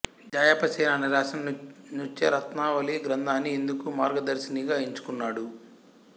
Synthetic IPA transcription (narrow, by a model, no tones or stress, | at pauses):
d͡ʒaːjɐpɐsɛːnaniɾaːʃɐmnut͡ʃeɾɐt̪naːʋɐliɡɾɐnd̪ʱaːnːiend̪ukumaːɾɡɐd̪ɐɾsiniɡaːiɲt͡ʃu̥kunːaːɽu